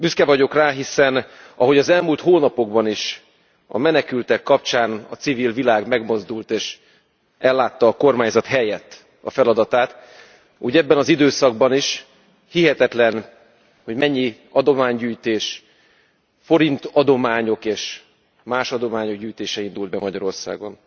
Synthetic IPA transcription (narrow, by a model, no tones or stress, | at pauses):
byskɛvɒɟo̞kraːɦisɛn | ɒɦo̞ɟɒzɛlmult̪hoːnɒpo̞ɡbɒniʃ | ɒ̰mɛnɛkylt̪ɛkːɒp̚t͡ʃaːnɒt̪siviːlvilaːɡmɛɡmo̞zd̪ult̪eːʃ | ɛlːaːt̪ːɒːko̞rmaːɲzɒt̪hɛjɛt̪ː | ɒ̰fɛlɒd̪ɒt̪aːt̪ | ṵːɟɛbːɛnɒzid̪øːsɒɡ̚bɒniʃ | hiɦɛt̪ɛt̪lɛn | ho̞ɟmɛɲːi | ɒd̪o̞maːɲɟyːjt̪eːʃ | fo̞ɾint̪ɒd̪o̞maːɲo̞keːʃ | maːʃɒd̪o̞maːɲo̞ɡɟyːjt̪eːʃɛind̪uld̪̚bɛmɒɟɒɾo̞rsa̰ːɡo̞n